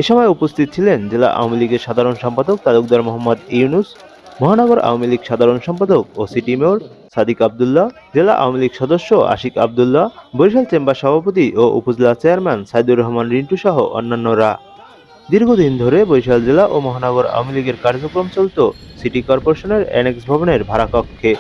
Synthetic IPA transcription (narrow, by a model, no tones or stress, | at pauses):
eʃɔmɔeupost̪ʰit̪̚t͡ɕʰilend͡ʑela̰ʔa̰wmiliɡeɾʃad̪ʱaɾonʃɔmpad̪ok̚t̪aluk̚d̪aɾmoɦamːad̪iunus | mɔɦanɔɡoɾʔa̰wmiliɡʃad̪ʱaɾonʃɔmpad̪ok̚osiʈimewɾ | sad̪ikab̚d̪ulːa | d͡ʑela̰ʔa̰wmiliɡʃɔd̪oʃːoa̰ʃika̰b̚d̪ulːabojʃalt͡ɕembaʃɔbʱapot̪̬iʔoʔṵpod͡ʑilat͡ɕeaɾmɛnsajd̪uɾːɔɦmanɾiɳʈuʃɔɦoʔɔ̰nːanːoɾa | d̪iɾɡʱod̪ind̪ʱoɾebojʃald͡ʑelaʔomɔɦanɔɡoɾa̰wmiliɡeɾkaɾd͡ʑokɾomt͡ɕolt̪osiʈikɔɾpoɾeʃoneɾɛ̰neksbʱaboneɾbʱaɾakɔkʰːe